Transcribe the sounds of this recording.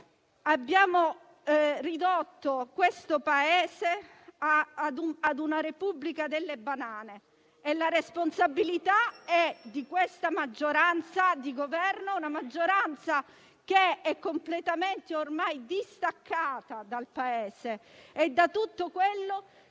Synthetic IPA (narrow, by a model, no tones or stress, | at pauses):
abːjaːmo | rid̪ot̪ːokwest̪opaeːse | aad̪uad̪unaɾepubːlikad̪elːebanaːneː | laɾesponsabːilit̪aɛd̪ikwest̪amad͡ʒːoɾant̪sad̪iɡovɛrnounamad͡ʒːoɾant̪sa | keɛkːomplet̪ament̪eormajd̪ist̪akʰːaːt̪ad̪alpaeːseːd̪ːat̪ut̪ːokwelːo